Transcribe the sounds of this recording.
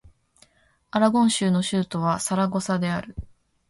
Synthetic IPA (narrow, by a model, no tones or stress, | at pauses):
aɾaɡõɰ̃ɕɨːno̞ɕɨːt̪o̞β̞asaɾaɡo̞sad̪e̞aɾɯ̟